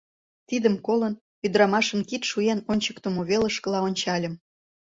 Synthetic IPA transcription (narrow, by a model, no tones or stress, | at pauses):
t̪id̪əmkolən | yd̪ɾɑmɑʃə̆nkit̪ʃujenonʲt͡ɕə̥kt̪omoβeləʃkə̆lɑonʲt͡ɕɑlʲə̆m